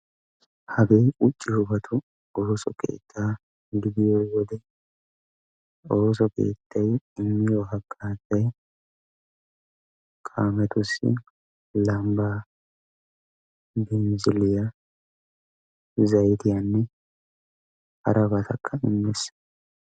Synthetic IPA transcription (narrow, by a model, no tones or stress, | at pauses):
hɐɡeːʔʊt͡ʃʼːɪhʊbɐt̪ʰʊ | oːsɔ̰kʰʼḛːt̪ʰːaː | ɡɪd̪ɪjoːwɔd̪ɛ | oːsɔke̞̰ːt̪ʰːɐjɪmːɪjoɦɐkʼːaːt̪ːɐj | kʼaːmɛt̪ʊsːɪ̰ | lɐmbaː | bɛnzɪlɪja | zɐjt̪ɪjaːnːɛ | hɐɾʔɐbɐt̪ʰɐkʰːɐɪmːɛs